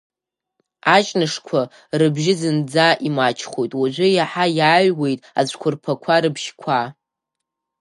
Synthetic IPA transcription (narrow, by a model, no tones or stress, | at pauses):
at͡ʃʼnɨʂkʷʰa | rɨbʒɪzɨnd͡zaʔimat͡ʃʰχojtʼwaʒʷʊjaħajaːɥwe̞jtʼa̰zʷkʷʰʊrpʰakʷʰaɾɨbʃkʷʰa